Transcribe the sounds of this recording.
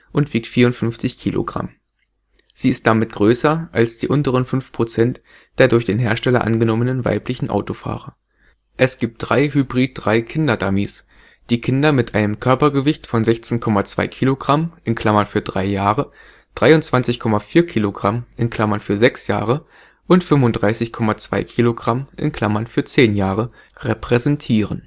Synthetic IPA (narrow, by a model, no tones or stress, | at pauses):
ʔʊntv̥iːk̚tfiːɐʊntfʏnft͡sɪçkʰiːlʔo̰ɡʁa̰m | z̥iːɪstd̥amɪt̚ɡ̥ʁøːsɐʔalsd̥iːʔʊntəʁənfʏnfpʁ̥ot͡sɛnt | d̥eːɐdʊɐçd̥eːnɦeːɐʃtɛlɐ̰ʔa̰nɡənɔmənənva̰ɪplɪçn̩ʔa̰ʊtofa̰ːʁɐ | ʔɛsɡ̥iːp̚t̚d̥ʁaɪɦybʁiːt̚d̥ʁaɪkʰɪndɐdamiːs | d̥iːkʰɪndɐmɪtʔaɪnəmkʰœɐpɐɡəvɪçtfɔnzɛçt͡seːnkʰɔmat͡sv̥a̰ɪkʰiːloɡʁamʔɪnkʰl̥amɐnfyːɐdʁa̰ɪjaːʁə | d̥ʁaɪʊntt͡sv̥ant͡sɪçkʰɔmafiːɐkʰiːloɡʁamʔɪ̰nkʰl̥amɐnfyːɐzɛksja̰ːʁə | ʔʊntfʏmvʊnd̥ʁaɪsɪçkʰɔmat͡sv̥a̰ɪkʰiːloɡʁamʔɪ̰nkl̥amɐnfyːɐt͡seːnjaːʁə | ʁepʁ̥ɛzɛntʰiːʁən